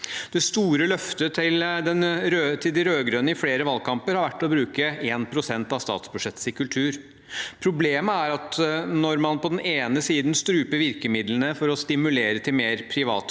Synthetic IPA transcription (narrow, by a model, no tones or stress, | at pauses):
d̪̥ɛst̪uːɾəlœft̪ət̪ʰɪld̪ɛnɾøt̪ʰɪld̪ɪɾøːɡɾøːnəɪfleːɾəʋɑlkʰɑmpəɾhɑɾʋæʈːɔbɾʉːkəeːnpʰɾʊsɛnt̪ɑʋst̪ɑ̰ːt̪sbʉʂɛt̪ːsɪkʉlʈ̪ʰʉːɾ | pʰɾʊbleːməæɾɑt̪nɔɾmɑnpɔd̪ɛnʔeːnəsiːd̪nst̪ɾʉːpəɾʋɪɾkəmɪd̪lənəfɔɾɔst̪ɪmʉleːɾət̪ʰɪlmeːɾpʰɾɪʋɑ̰ːt̪